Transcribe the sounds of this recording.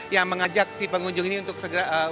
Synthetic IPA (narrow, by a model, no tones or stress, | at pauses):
jaŋməŋad͡ʒak̚sipəŋuɲd͡ʒʊŋiniunt̪ʊk̚səɡəɾaʔə